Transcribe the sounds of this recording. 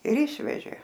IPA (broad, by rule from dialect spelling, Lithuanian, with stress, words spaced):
ɪr ˈɪʃʲʋʲɛʒʲeː